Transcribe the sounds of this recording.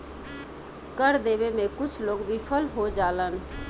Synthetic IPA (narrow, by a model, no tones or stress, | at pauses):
kəɾd̪ebemẽkʊt͡ʃʰloɡbʱipʰəlɦod͡ʒalən